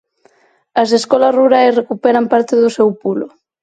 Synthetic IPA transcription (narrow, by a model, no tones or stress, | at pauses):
ɐs̬eskɔlɐzruɾajsrekupɛɾampaɾt̪eðʊsɛwpulʊ